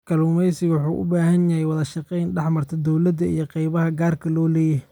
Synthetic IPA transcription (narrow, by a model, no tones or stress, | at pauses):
kʰɐluːmɛjsɪɣwʊħuːʔʊ̰baːɦɐnjɐɦɛjwɑðɐʃɑqɛjnɖɛħmɐrt̪ʰɐd̪ɔwlɐd̪ɐḭjɔqɛjβɐɦɐɡaːrkʰɐlɔːlɛːjɐ